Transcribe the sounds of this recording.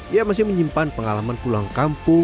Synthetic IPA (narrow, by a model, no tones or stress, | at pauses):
ijamas̬ɪməɲimpanpəŋalamanpulaŋkampʊ